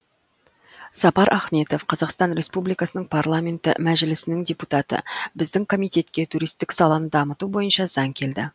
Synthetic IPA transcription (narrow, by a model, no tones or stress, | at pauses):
sɑpɑɾʔɑχme̞t̪o̞fqʰɑzɑqst̪ɑnɾʲe̞spublijkɑsənəɴpʰarlˠamʲe̞nt̪ɪ̰mæʒɪlɪsɪnɪŋdʲeput̪ɑt̪ə̰bɪzd̪ɪŋkʰo̞mijt̪e̞t̪kʲe̞t̪ʰuɾijst̪ɪksɑlˠɑnəd̪ɑmət̪ubo̞jənʃɑzɑŋkʲʰe̞ld̪ɪ